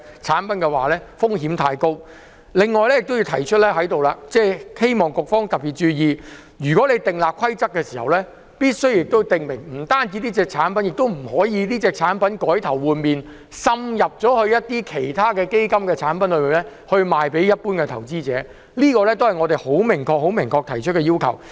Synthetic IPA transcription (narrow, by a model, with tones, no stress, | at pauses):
t͡sʰaː˨˥npɐ˨˦nkɛː˧waː˨lɛː˥fʊ˥ŋhiː˨˥mt̪ʰaː˧jko˥w | lɪ˨ŋːɔː˨jlɛː˥jɪ˨k̚t̪o˥ji˧wt̪ʰɐ˨˩jt͡ʃʰɵ˥t̚lɛː˥ɦɐ˨˥jt̪o˨wlaː˧t͡sɛː˥˩he˥jmɔː˨˩ŋkʊ˨k̚fɔː˥ŋt̪ɐ˨p̚piː˨˩t̚t͡ʃyː˧jiː˧ | ɥyː˨kɔː˨˥le˨˧jt̪ɪ˨ŋlaː˨p̚kʰɐ˥jt͡sɐ˥k̚ːɛː˧siː˨hɐ˨wlɛː˥ | piː˥t̚sɵ˥ɥjɪ˨k̚t̪o˥wt̪ɪ˨ŋmɪ˨˩ŋm̩˨˩t̪aː˥nt͡siː˨˧t̪iː˥t͡sɛː˧k̚t͡sʰaː˨˥npɐ˨˦njɪ˨k̚t̪o˥wm̩˨˩hɔː˨˥jiː˨˧liː˥t͡sɛː˧k̚t͡sʰaː˨˥npɐ˨˦nkɔː˨˥jt̪ʰɐ˨˩wwuː˨nmiː˨n | sɐ˧mjɐ˨p̚t͡sɔː˨˥hɵ˧ɥjɐ˥t̚t̪iː˥kʰe˨˩jt̪ʰaː˥kɛː˧ke˥jkɐ˥mkɛː˧t͡sʰaː˨˥npɐ˨˥nlɵ˨˧ɥmiː˨˩nlɛː˥ | hɵ˧ɥmaː˨jpe˨˥jɐ˥t̚puː˥nkɛː˧t̪ʰɐ˨˩wt͡siː˥t͡sɛ̰ː˨˥ | liː˥kɔː˧lɛː˥t̪o˥whɐ˨jŋɔː˨˧t̪e˨jho˨˥wmɪ˨˩ŋkʰɔː˧k̚ho˨˥wmɪ˨˩ŋkʰɔː˧k̚t̪ʰɐ˨˩jt͡ʃʰt̚kɛː˧iː˥wkʰɐ̰˨˩w